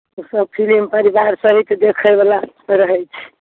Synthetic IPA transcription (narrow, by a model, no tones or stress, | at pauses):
usəb̚pʰilimpəɾibaɾsəɦit̪d̪ekʰəjbala | ɾəɦɛjt͡ʃʰɛ̥